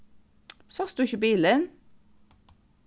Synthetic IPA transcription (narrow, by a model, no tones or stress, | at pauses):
sɑsd̪ʉːɪçəbiːlən